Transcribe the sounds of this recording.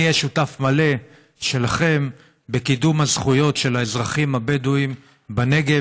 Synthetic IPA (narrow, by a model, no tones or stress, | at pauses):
jeʃutafmale̞ | ʃe̞laχe̞m | be̞kidumhazχujo̞tʃe̞laezʁaχimhabeduim | bane̞ɡe